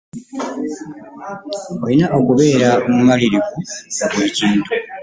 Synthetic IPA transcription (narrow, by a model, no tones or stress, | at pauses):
o̞linaʔo̞kuβe̞ːɾaomumaliɾiɡuoɡwe̞ːciːntu